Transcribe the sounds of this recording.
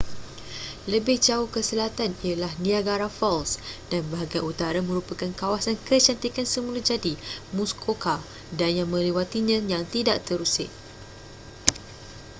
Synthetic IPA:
ləbɪhd͡ʒaukəsəlat̪anialahnĩaɡaɾafɔlsd̥anbaɦaɡaut̪aɾamə̃ɾupakankawasankət͡ʃant̪ikansəmulad͡ʒadimuskʰoka | danjãmə̃lewat̪iɲãjaŋt̪idaʔt̪əɾusɪ̰ʔ̚

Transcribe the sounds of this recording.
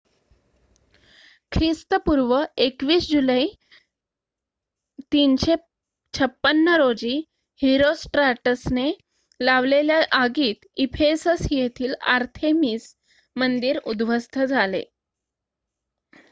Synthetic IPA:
kʰɾist̪əpuɾʋəekʋiːsd͡ʑulai | t̪inɕe | t͡ɕʰəpːənːəɾod͡ʑiː | hiɾosʈɾaʈəsne | laʋleljaʔaɡiːt̪ifʰesəsjet̪ʰiːla̰ɾt̪ʰemiːs | mənd̪iːɾud̪ʋʱəst̪ʰəd͡zʱalḛ

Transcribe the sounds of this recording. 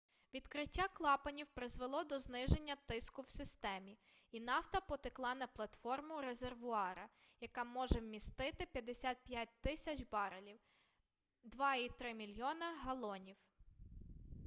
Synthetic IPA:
ʋʲid̪kɾɪtʲːaklˠɑpɐnʲiwpɾɪzʋelˠɔd̪ɔznɪʒe̞nʲːɐt̪ɪskʊwsɪst̪ɛmʲi | inɑwt̪ɐpɔt̪ɪklˠɑnɐplˠɐt̪fɔrmʊɾezerʋʊɑɾɐjɐkɑmɔʒɛwmʲist̪ɪt̪ɪpʲjɐd̪esʲat̪̚pʲjat̚ʲt̪ɪsʲɐt͡ʃbɑɾelʲiw | d̪ʋɑit̪ɾɪmʲilʲjɔnɐɦɐlˠɔnʲiw

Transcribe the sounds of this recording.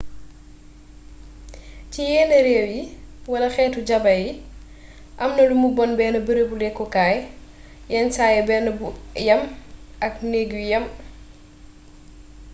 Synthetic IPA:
cijɛːnɐɾɛːwjiwɐlɐxɛːtuɟɐbɐji | ʔɐmnɐlumubɔnbɛːnɐbəɾəbulɛkːɔkaːj | jɛnsaːjɛbɛːnɐbujɐmɐk̚neɡjujɐm

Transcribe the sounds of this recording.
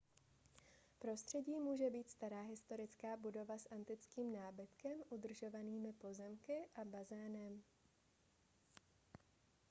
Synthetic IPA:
pɾo̞st̪r̝̥ɛɟiːmuːʒɛbiːt̪st̪aɾaːɦɪst̪o̞ɾɪt͡skaːbudo̞vasʔant̪ɪt͡skiːmnaːbɪt̪kɛmʔud̪r̩ʒo̞vaniːmɪpo̞zɛmkɪʔabazɛːnɛm

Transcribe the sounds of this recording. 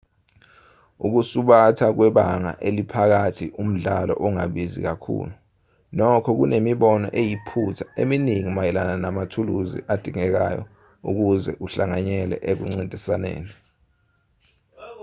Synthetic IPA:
uk̬usuɓatʰak̬wɛɓaŋa̰ʔelipʰak̬atʰiʔum̩ɮalɔ̰ʔɔŋaɓizḭk̬akʰṵːlu | nɔkʰɔk̬ṵnʔemiɓɔnɔ̰ʔejipʰutʰḁḛminiŋimajɛlananamatʰuluzḭʔad̥ʱiŋɛk̬a̰jɔ̰ | uk̬uzɛ̰ʔuɬaŋaɲɛlɛ̰ʔek̬uŋ͡ǀindʱisanḛːni

